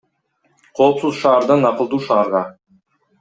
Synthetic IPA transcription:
qʰo̞ːpsuzʃɑːɾd̪ɑnɑqəlˠd̪uːʃɑːɾʁɑ

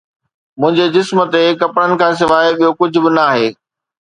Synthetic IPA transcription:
mʊ̃ɦɪ̃ɲd͡ʑed͡ʑɪsmt̪ekɐpɽənɪ̆kʰãːs̬ɪʋaːeɓijokʊd͡ʑʱʊbɪnɐaːɦeː

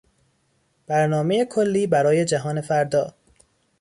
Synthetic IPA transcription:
b̥æɾnɒːme̞jekʰolːiːbæɾɒːje̞d͡ʒæɦɒːne̞fæɾd̪ɒː

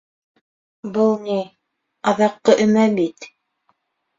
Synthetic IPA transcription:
bɤlˠni | ɑðɑqːɤʔɵ̆mæbit̪

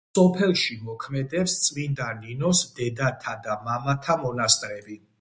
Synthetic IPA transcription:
sɔpʰɛlˠʃimɔkʰmɛd̪ɛpst̪sʼmind̪aninɔsmd̪ɛd̪at̪ʰad̪amamat̪ʰamɔnast̪ʼɾɛbi

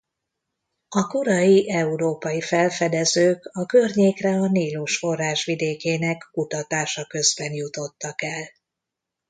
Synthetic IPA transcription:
ɒkoɾɒjiʔɛuɾoːpɒjifɛlfɛd̪ɛzøːkɒkø̞rɲeːkrɛɒniːluʃfo̞raːʃʋid̪eːkeːnɛkkut̪ɒt̪aːʃɒkø̞zbɛnjut̪o̞t̪ːɒkɛl

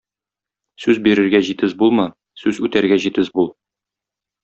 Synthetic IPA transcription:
sʉzbiɾɘ̆ɾɡæʑit̪ɘzbulˠmɤ | sʉzʉt̪æɾɡæʑit̪ɘzbulˠ

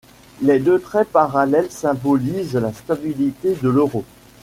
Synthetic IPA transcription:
lɛd̪ət̪χɛpaʁalɛlsɛ̃bɔlizlast̪abilit̪ed̪əløʁo

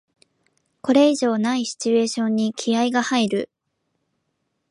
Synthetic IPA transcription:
ko̞ɾe̞iʑo̞ːnaiɕi̥t͡ɕie̞ːɕõ̞ɲ̟ːikʲʰiaiɡahaiɾɯ̟

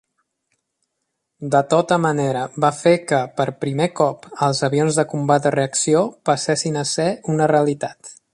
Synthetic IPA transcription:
d̪ət̪ot̪əməneɾəβafekəpəɾpɾimekɔpəlˠzəβionzðəkumbad̪əreəksiopəsɛsinəsɛunəreəlit̪at̪

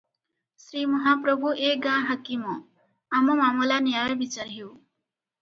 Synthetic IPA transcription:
sɾimʌɦapɾʌbʱuʔeɡãɦɐkimɔ | amɔmamulanijawbit͡saɾɦiw

